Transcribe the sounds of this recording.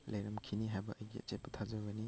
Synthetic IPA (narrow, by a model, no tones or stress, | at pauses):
lɐjɾɐmkʰiniɦajbɐʔɐjɡḭɐ̰t͡ʃet̚pɐtʰazɐɡɐni